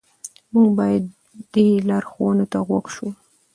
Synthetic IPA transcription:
muɡbɑjad̪ | d̪elɑɾxowənot̪aɣwaɡʃu

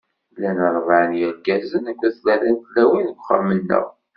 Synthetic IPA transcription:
lænəɾˤvaʕnjæɡæzənækʷːæslæɾænt̪læwinəɡʷχə̰ɾmənːə̰ʁ

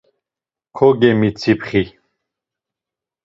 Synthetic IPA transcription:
kʰɔɡɛmit͡sʰipχi

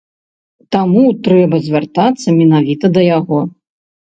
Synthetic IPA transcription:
t̪amut̪ɾɛbɐzʲvʲart̪at̪sːɐmʲɛnavʲit̪ɐd̪ɐjaɣɔ

